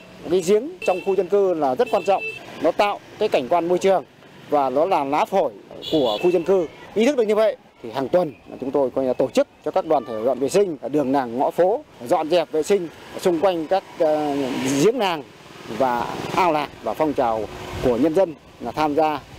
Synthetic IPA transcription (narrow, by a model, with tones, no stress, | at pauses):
kaː˨˦jzi˨˦əŋt͡ɕɔ˧wŋ͡mxu˧zə˧nkɨ˧laː˨˩zə˦˥t̚kwaː˧nt͡ɕɔ̰˧˨wŋ͡mnɔ˨˦t̪a̰ː˧˨wkaː˨˦jka˧˩jŋ̟kwaː˧nmo˧jt͡ɕɨ˨˩əŋ | vaː˨˩ɗɔ˨˦laː˨˩laː˨˦˥fʰo˧˩jku˧˩əxu˧zə˧nkɨ˧ʔi˧˦t̪̚ʰɗ̚ɲɨ˧və̰˧˨j | t̪ʰi˨˩haː˨˩ŋt̪wə˨˩nma̰ː˨˩t͡ɕʊ˨˦ŋ͡mt̪o˧jkɔ˧ɲ˧lːt̪o˧˩t͡ɕɨ˦˥k̚t͡ɕɔ˧kaː˦˥k̚ɗwaː˨˩nt̪ʰe˧˩zɔ̰˧˨vḛ˧˨sï˧ŋ̟aː˨˩ɗɨ˨˩əŋnaː˨˩ŋːɔ̰˧˥fo˨˦˨zɔ̰˧˨nzɛ˨˩p̚vḛ˧˨sï˧ŋ̟˨˩sʊ˧ŋ͡mkwa˧jŋ̟kaː˦˥k̚ | zi˨˦əŋnaː˨˩ŋ | vaː˨˩ʔaː˧wlaː˨˩k̚vaː˨˩fɔ˧wŋ͡mt͡ɕaː˨˩wku˧˩əɲə˧nzə˧n | laː˨˩t̪ʰaː˧mzaː˧